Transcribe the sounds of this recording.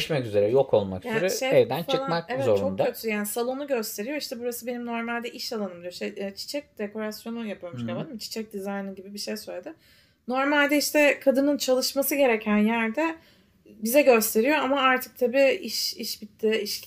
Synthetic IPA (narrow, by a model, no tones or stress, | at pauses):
ʃmɛkyze̞ɾɛjokʰo̞lˠma̰kyjaeʃeejd̪ænfaɯlˠamakevɛzot͡ʃɾʰt͡ʃok̪aøt̪ʰysjaːnisalˠo̞nuɟø̞st̪ʰe̞ɾijo̞iʃt̪ʰɛbuɾasɯbe̞nimno̞ɾmalʲd̪ɛʔiʃalˠanɯmd̪ijoiʃʰɛɛt͡ʃʰi̥t͡ʃʰɛc̚d̪̥ekʰo̞ɾasjo̞nujapʰɯjomuʃkʰalˠanɯmt͡ʃʰi̥t͡ʃʰɛc̚d̪izajnɯɟibibiʃejsø̞jlʲˠed̪ɯ | no̞ɾmalʲd̪ɛiʃt̪ʰɛkʰad̪ɯnɯnt͡ʃʰalˠɯʃmasɯɟe̞ɾecʰænjæɾd̪ɛ | bizɛɟø̞st̪ʰe̞ɾijo̞amaaɾt̪ʰɯ̥k̚t̪ʰabiiʃiʃbit̪ʰːiiʃ